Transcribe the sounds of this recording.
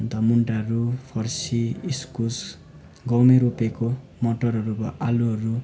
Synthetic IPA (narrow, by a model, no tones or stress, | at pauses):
nt̪ʌmuɳʈaɾupʰʌrsiiskus | ɡʌwmeɾupeko | moʈʌɾɦʌɾubʌ̰ʔaluɦʌɾu